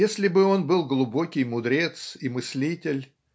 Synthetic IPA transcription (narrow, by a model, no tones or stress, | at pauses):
esʲlʲɪbɨo̞nbɨlˠɡlˠʊbo̞kʲɪjmʊd̪ɾʲe̞t̪simɨsʲlʲitʲɪlʲ